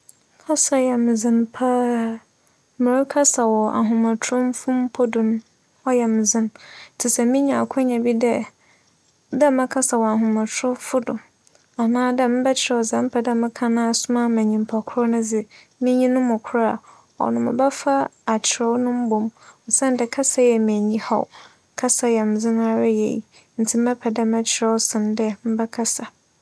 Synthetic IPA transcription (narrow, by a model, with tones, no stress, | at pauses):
kʰa˦sa˨jɛ˨mɪ˨zɪ̃˨npʰa˦˨ | mɪ̃˨ɾkʰa˦sa˨wɔ˨a˨ɦũ˨mã˨tʰɾʊ̃˦m˦fʊ̃˦m˦pʰɔ˦dʊ̃˨n | ɔ˦jɛ˨mɪ̃˨zɪ̃˦n˨tʰɪ˨sɛ˨mĩ˦ɲã˨a˨kʰʊ˦ɲã˨bi˦dɛ˦ | dɛ˦mɪ̃˦kʰa˦sa˨wɔ˨a˨ɦũ˨mã˨tʰɾʊ̃˦fʊ˦dʊ˨ | a˨nãː˦dɛ˦m̩˦bɛ˦t͡ɕʰɪ˨ɾɛ˦wɔ˨sa˨m̩˦pʰɛ˨dɛ˦mɪ̃˦kʰã˦nã˦a˨sʊ˦mã˦mæ̃˨ɲĩ˨m˨pʰa˨kʰʊ˦ɾɔ˦nʊ̃˦d͡zɪ˦ | mĩ˦ɲĩ˦nʊ̃ː˦ʊ̃˨kʷʰʊ˦ɾa˦˨ | ɔ̰˨nʊ̃˨mʊ̰̃˨bɛ˦fa˦a˨t͡ɕʰɪ˨ɾɛ˦wnʊ̃˦m̩˦bõ˨mɔ˨sɛ̃˦n˦dɛ˨kʰa˦sa˦jɛ˨m̃˨ɲĩ˦ha̰˦˨w | kʰa˦sa˨jɛ˨m̩˨d͡zɪ˦na˦ɾa˦jɛ̰˨jḭ˨ | n̩˨tʰɪ˦m̩˦ɛ˦pʰɛ˨dɛ˦mɛ̃˦t͡ɕʰɪ˨ɾɛ˦wsɪ̃˨ndɛ˦m̩˦bɛ˦kʰa˦sa˨